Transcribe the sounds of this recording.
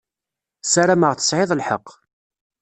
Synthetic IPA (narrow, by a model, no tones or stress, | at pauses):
sæɾaməʁθə̥sʕɪðˤlħə̰qː